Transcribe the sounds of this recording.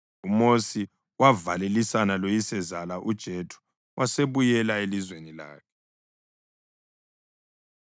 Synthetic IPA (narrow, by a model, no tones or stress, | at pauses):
umosi | wavalelisanalojisɛzalaʔud̥ʒ̥ʱetʰu̥ | wʔaseβujɛlaelizwenila̰ːkʰɛ̥